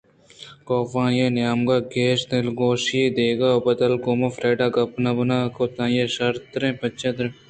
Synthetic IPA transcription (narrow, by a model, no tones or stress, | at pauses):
koːfãːjeːnjaːmɡaːɡeːʃnelɡoːʃjeːd̪eːɡaːobɐd̪ɐlkomɐfɾeːɖaːɡɐpnɐbɐnaːkot̪ãːjeːʃɐɾt̪ɾẽːpɐt͡ʃːed̪ɾ